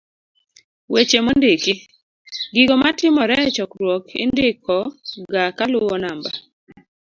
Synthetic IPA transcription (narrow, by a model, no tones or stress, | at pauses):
wet͡ʃemondekɪ | ɡɪɡɔmatɪmɔɾɛt͡ʃɔkɾwɔkʰɪ̰ndɪkʰɔɡakalʊwɔnamba